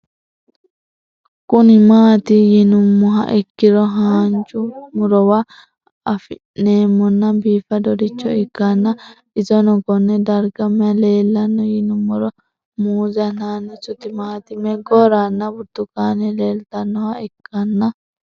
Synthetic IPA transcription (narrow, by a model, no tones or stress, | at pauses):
kʊnɪmaːt̪ɪjɪnʊmːɔɦɐ̰ʔɪkːɪɾɔɦaːnt͡ʃʊmʊɾɔwa | ɐfɪʔneːmːɔnːɐbiːfɐd̪ɔd̪ɪt͡ʃːɔɪkːɐnːɐ | ɪzɔnɔɡɔnːɛd̪ɐɾɡɐmːɛɐle̞ːlːɐnːɔjɪnʊmːɔɾɔ | muːzɐnaːnːɛsʊt̪ɪmaːt̪ɪmɛɡɔɾanːɐbʊt̪ːʊkaːnɛleːlt̪ɐnːɔhɐɪkʰːɐnːɐ